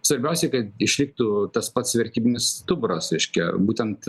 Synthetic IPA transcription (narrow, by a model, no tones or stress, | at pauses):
sʋɐɾʲbʲɛʊsʲɛɪkɐt̪ɪʃʲlʲɪk̚t̪uːt̪ɐspɐt̪sʋʲɛɾʲt̪ʲiːbʲɪnʲɪst̪ʊbʊɾɐsɾʲɛɪʃʲkʲɛbuːt̪ʲɛnt̪